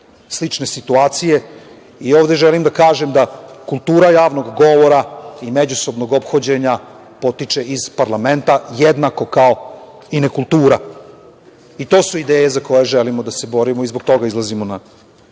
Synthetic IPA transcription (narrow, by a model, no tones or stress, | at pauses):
slˠit͡ʃne̞sit̪uaːt̪sije̞ | io̞ːʋd̪e̞ʒelimd̪akaːʒemd̪akulˠt̪uːɾajaːʋno̞ɡɡo̞ʋo̞ɾaime̞d͡ʑuso̞bno̞ɡo̞pxo̞d͡ʑe̞ɲa | po̞t̪it͡ʃe̞ʔiz̥paɾlame̞nt̪ajed̪nako̞kao̞ | inekulˠt̪uːɾa | it̪o̞ːsuid̪eːjezako̞jeʒelimod̪ase̞bo̞ɾimoizboɡ̚t̪o̞ɡaizlˠazimona